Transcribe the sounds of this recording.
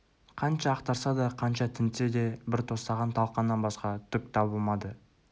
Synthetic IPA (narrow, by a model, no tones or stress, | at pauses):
qʰɑnʃɑːqt̪ɑɾsɑd̪ɑqʰɑnʃɑt̪ʰɪnsed̪e̞bɪɾt̪ʰo̞st̪ɑʁɑnt̪ʰɑlˠqɑnːɑnbɑsqɑt̪ʰʏk̚t̪ʰɑbəlˠmɑd̪ə